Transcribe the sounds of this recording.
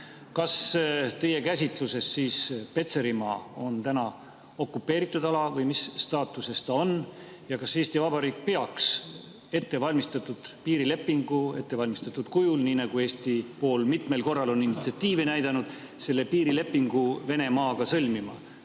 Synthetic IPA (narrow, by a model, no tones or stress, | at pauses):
kɑst̪e̞je̞kæsʲit̪luse̞sːiːspe̞t̪se̞ɾimɑ̰ːo̞nt̪ænɑ | o̞kːupːˑe̞ːɾit̪ːˑud̪ɑlɑvɤjmisːt̪ɑːt̪ːˑuse̞st̪ɑo̞n | jɑkɑse̞ːsʲt̪ivɑbɑɾiːk̚peɑks | e̞t̪ːe̞vɑlʲmist̪ɑt̪ːˑud̪̥piːɾile̞pːiŋɡ̥ue̞̰t̪ːe̞vɑlʲmist̪ɑt̪ːˑud̪̥kujulniːnɑɡ̥ue̞ːst̪ipo̞ːlmit̪me̞lko̞rːɑlo̞ninit̪siɑt̪ːiːvenæjd̪ɑnud̪̥ | se̞lːe̞piːɾile̞pːiŋɡ̥uve̞ne̞mɑːɡ̥ɑsɤlʲmimɑ̰